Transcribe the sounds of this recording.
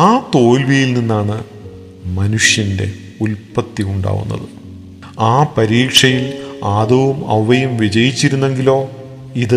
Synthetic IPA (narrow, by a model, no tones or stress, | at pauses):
aːt̪o̞ːlʋijilninːaːɳɨ | mɐnuʂjɐnde̞̰ | ulpɐt̪ːiuɳɖa̰ːʋṵnːɐ̰ðɨ | aːpɐɾiːkʂɐjilaːðɐʋumɐ̰ʋːɐjɐmʋid͡ʑɐjit͡ɕːiɾunːe̞ŋɡilo̞ː | iðɨ